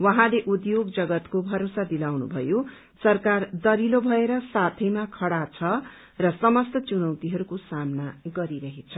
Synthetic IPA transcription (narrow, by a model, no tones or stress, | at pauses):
wʌɦãleʔud̪joɡd͡zʌɡʌt̪kobʱʌɾosad̪ilawnṵbʱʌ̰jo | sʌrkard̪ʌɾilobʱʌeɾʌsat̪ʰʌjmakʰʌɽat͡sʰʌ | rʌsʌmʌst̪ʌt͡sunʌwt̪iɦʌɾukosamnaɡʌɾiɾʌɦet͡sʰʌ